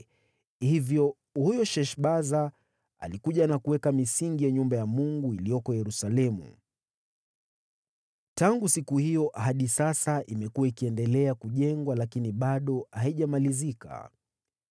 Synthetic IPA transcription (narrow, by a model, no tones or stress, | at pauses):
hivjɔ | hujɔʃɛʃɓaza | a̰likuʄanakuwɛkamisiŋɡijaɲumbajamuŋɡuilijɔkɔjɛɾusalɛmṵ | taŋɡusikuhijɔʔɦaɗisasaʔimɛkuwaikiɛndɛlɛakuʄɛŋɡwalakiniɓaɗɔhaiʄamalizika̰